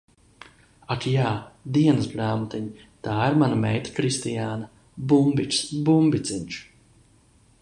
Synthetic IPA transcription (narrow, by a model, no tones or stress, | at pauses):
akjaːd̪iɛnɨsbɾaːmut̪iɲi | t̪aːiɾmanamɛjt̪ḁkɾist̪ijaːna | bumbit͡ʃsbumbʲit̪siɲʲt͡ʃ